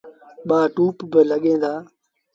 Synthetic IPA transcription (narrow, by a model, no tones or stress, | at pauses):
ɓaːʈuːpbɪləɠẽːnd̪aː